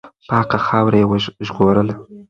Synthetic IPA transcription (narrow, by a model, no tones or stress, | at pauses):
pəhaqaxɑwɾajewəʒɣoɾəla